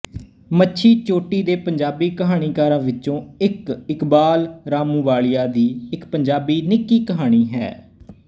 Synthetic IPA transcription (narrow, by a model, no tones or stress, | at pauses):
mətːʃʰiːt͡ʃoːʈiːd̪eːpəɲd͡ʒaːbiːkəɦaːɽ̃iːkaːɾãːʋɪt͡ʃõːɪkɪkbaːlɾaːmũːʋaːlɪjaːd̪iːɪkpəɲd͡ʒaːbiːnɪkiːkəɦaːɽ̃iːɦɛ̰ː